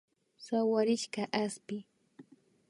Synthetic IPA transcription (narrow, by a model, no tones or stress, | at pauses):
sawaɾɪʃkaʔaspɪ